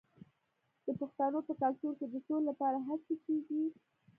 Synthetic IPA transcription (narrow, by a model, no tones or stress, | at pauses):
d̪̥əpəxt̪anopəkaltoɾked̪əsollapɑɾaɦat͡sekeɡi